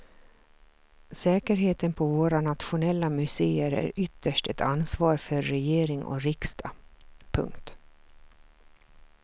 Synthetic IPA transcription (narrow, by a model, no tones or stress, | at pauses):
sɛːkəɾɦeːt̪ənpʰɔvoːɾanat̪ɧʊnɛlːamɵseːəɾæ̰ɾʏt̪ːəʂʈɛt̪ʰansvɑːɾfœɾːɛjeːɾɪŋɔ̰ɾɪkst̪ʰapʰɵ̰ŋkt̪